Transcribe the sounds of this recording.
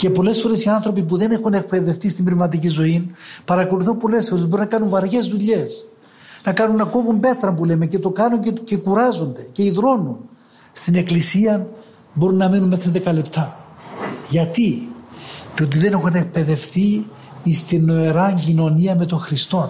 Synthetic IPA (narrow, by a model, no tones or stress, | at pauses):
ce̞po̞le̞sfo̞ɾe̞siɐnθɾo̞pip̬uðe̞nexune̞k̚pe̞ðe̞fθist̪imbɾevmɐt̪̬icizo̞inpɐɾɐko̞luθompo̞le̞sfo̞ɾe̞zbo̞ɾunɐkɐnuɱvɐɾʝe̞zðuʎe̞s | nɐkɐnunːɐko̞vumbe̞t̪ɾɐmpuleme̞ce̞t̪o̞kɐnuɲcecekuɾɐzo̞nd̪e̞ce̞iðɾo̞nun | st̪ine̞klisiɐn | bo̞ɾunːɐminunmexɾiðe̞kɐle̞pt̪ʰɐ | ʝɐt̪i | t̪ot̪̬iðe̞ne̞xune̞k̚pe̞ðe̞fθi | ist̪inːo̞eɾɐɲɟino̞niɐme̞t̪o̞ŋxɾist̪o̞n